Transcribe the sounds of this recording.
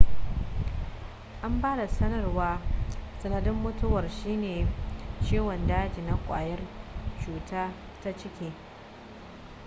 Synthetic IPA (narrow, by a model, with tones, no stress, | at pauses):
ʔa˦mbaː˦da˨sɐ˦nɐ˦rwaː˦sɐ˨nɐ˨dɪ˦mːʊ˦tʊ˦wɐ˨rʃiː˦neː˨t͡ʃeː˦wɐ˨ndaː˦d͡ʒi˨na˨kʷʼa̰ː˨jɐ˦rt͡ʃuː˨tʰaː˦ | ta˦t͡ʃɪ˦kʲeː˦